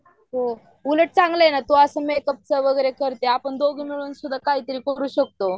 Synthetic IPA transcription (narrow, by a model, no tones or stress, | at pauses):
ɦo | uləʈ̚t͡sãŋɡləjnat̪oəsəmekəp̚t͡səʋəɡəjɾekəɾt̪eapəɳd̪oɡʱimiɭuːnsud̪ʱːakaɦiːt̪əɾiːkəɾuːɕək̚t̪o